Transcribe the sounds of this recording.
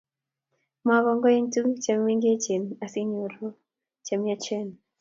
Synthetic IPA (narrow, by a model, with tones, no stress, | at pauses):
ma˨ɣɔ˦ŋɡɔ˦i˦ntu˦t͡ʃa˨mwi˦ŋɡiɛ˦t͡ʃi˨na˨si˦ɲɔ˨ɾɔ˦ | t͡ʃa˨mi˦a˦t͡ʃɛ˦n